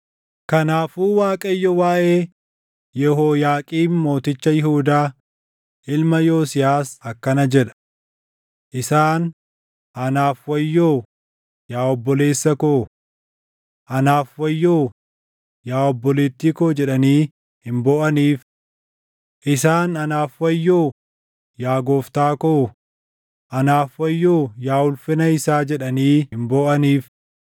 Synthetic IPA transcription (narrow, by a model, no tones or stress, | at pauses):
kɐnaːfuːwaːkʼɐjːɔwaːʔeː | jɛhoːjaːkʼiːnmo̞ːt̪ɪt͡ʃːɐjɪhuːd̪aː | ʔɪlmɐjo̞ːsɪjaːsɐkːɐnɐd͡ʒɛᶑɐ̥ | ʔɪsaːn | ʔɐnaːfwɐjːoː | jaːɔbːɔle̞ːsːɐkoː | ʔɐnaːfwɐjːoː | jaːɔbːɔleːt̪ːiːkoːd͡ʒɛᶑɐniː | hɪmboːʔɐniːf | ʔɪsaːnɐnaːfwɐjːoː | jaːɡo̞ːft̪aːko | ʔɐnaːfwɐjːoːjaːʊlfɪnɐɪsaːd͡ʒɛᶑɐniːhɪmboːʔɐniːf